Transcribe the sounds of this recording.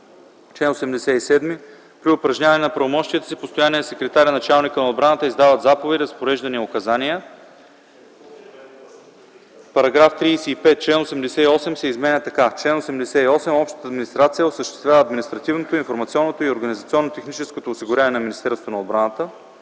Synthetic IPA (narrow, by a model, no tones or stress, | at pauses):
t͡ʃlɛnosɛmd̪ɛsɛisɛd̪mi | pɾiʊpɾɐʒnʲavɐnɛnɐpɾɐvomɔʃt̪iət̪ə̥sipost̪ojaniɛnɐsɛkɾɛt̪aɾʲənɐt͡ʃalˠnikənɐod̪̚bɾanət̪əizd̪avət̪zapovɛt̪ʲɾzɐspoɾɛʒd̪ɐniokɐzaniə | pɐɾɐɡɾaft̪ɾiːsɛipɛt̪̚t͡ʃlɛnosɛmd̪ɛsɛiɔsɛmsɛizmɛnʲət̪ɐkat͡ʃlɛnosɛmd̪ɛsɛiɔsɛmɔpʃt̪ət̪əːd̪minist̪ɾat̪sijəosəʃt̪ɛ̥st̪vʲjavəːd̪minist̪ɾɐt̪ivnot̪oinfoɾmɐt̪siɔnːot̪oioɾɡɐnizɐt̪siɔnːot̪ɛxnit͡ʃɛskot̪oːsiɡʊɾʲavnɛnɐminist̪ɛɾsvonɐod̪̚bɾanət̪ə